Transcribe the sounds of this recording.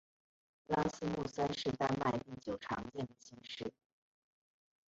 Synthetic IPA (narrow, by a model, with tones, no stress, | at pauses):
la˥sɹ̩˥mu˥˩sa˥nʂɻ̩˥˧t̪a˥nma˥˧ɪp̪i˥˩t͡ɕjo˨˩ʊʈ͡ʂʰɑ̰˧˥ŋt͡ɕjɛ˥˩nd̪ə˩ɕi˧˥ŋʂɻ̩˥˩